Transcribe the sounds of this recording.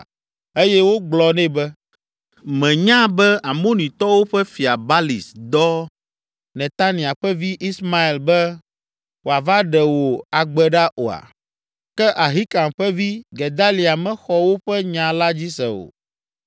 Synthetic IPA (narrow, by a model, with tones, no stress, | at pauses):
e˦jɛ˦wo˦ɡ͡blɔ˨nɛ̃˦bɛ˦ | mɛ̃˨ɲã˦bɛ˦a˨mõ˦nĩ˨t̪ɔ˦wo˦ɸɛ˦fi˨a˨ba˦lḭ˨sd̪ɔ˦ | nɛ̃˨t̪a˦nĩ˨a˨ɸɛ˦vi˦ʔi˦sma˦e˨lbɛ˦ | wo˨a˨va˦ɖɛ˨wo˨a˨ɡ͡bɛ˨ɖa˦ʔo˨a̰˨ | kɛ˦ʔa˨ɦi˦ka˨mɸɛ˦vi˦ɡe˨d̪a˦li˨a˨mɛ̃˦xɔ˦wo˦ɸɛ˦ɲã˨la˦d͡ʑi˦sɛ̰˨o̰˨